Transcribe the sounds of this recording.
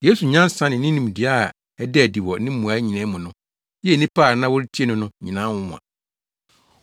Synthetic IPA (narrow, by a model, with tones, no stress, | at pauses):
je˦su˨ɲã˦n˦sã˦nɪ̃˨nɪ̃˦nĩ˨m˨di˨a˦˨ | ɛ˦dɛ˦˨di˨wɔ˨˦nɪ̃˦mũ˨a˨˦ɲĩ˨nɛ̃˦mʊ̃˨nʊ̃˦ | jɛ˦˨nĩ˦pʰaː˦˨nã˦wʊ˦ɾtʰi˦e˦nʊ̃˦nʊ̃˦ɲĩ˨nã˦wʊ̃˦mʊ̃˨ã̰˨